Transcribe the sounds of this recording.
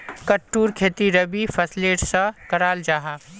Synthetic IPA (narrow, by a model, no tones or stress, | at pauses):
kəʈːuːɾkʰeːt̪iɾəbipʰəsleːʈsɐkɐɾaːld͡ʒaːɦaː